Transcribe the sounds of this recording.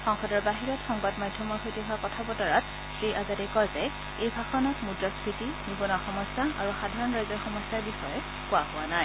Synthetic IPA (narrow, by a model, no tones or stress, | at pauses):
xɔŋxɔdɔɹbaɦiɹɔtxɔŋbadmadʱːɔmɔɹxʰojtiɦʊakɔtʰabɔtɔɹat̚ | sejʔazadɛkɔɹzɛ | ejbʱaxɔnɔtmudɹɔsʰɹitinibɔnɔxɔmɔsaaɹuxadʱaɹɔnɹajzɔɹxɔmɔsjaɹbixɔjɛ | kʊaɦʊwanaj